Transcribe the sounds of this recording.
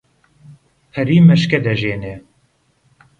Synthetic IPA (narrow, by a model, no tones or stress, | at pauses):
pʰɛɾiːmɛʃkɛd̪ɛʒeːnɛ